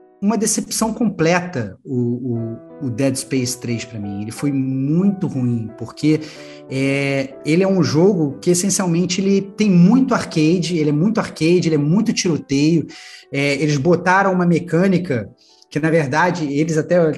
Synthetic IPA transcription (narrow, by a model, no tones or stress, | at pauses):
ũmɐd̪esepsɐ̃w̃kõmplɛt̪ɐʊː | d̪ɛd̪spejst̪ɾejspɾɐmĩelɪfojmũj̃t̪ʊhuĩpoɾkʰe | ɛelɪɛũʒoɡʊkɪesẽsiawmẽnt͡ʃɪelɪt̪ẽj̃mũj̃t̪ʊaχkejd͡ʒɪelɪɛmũj̃t̪ʊaɾkejd͡ʒɪelɪɛmũj̃t̪ʊt͡ʃiɾot̪ejʊɛelɪzbot̪aɾɐ̃w̃ũmɐmekɐ̃nikɐ | kɪnɐveɾd̪ad͡ʒɪelɪzat̪ɛ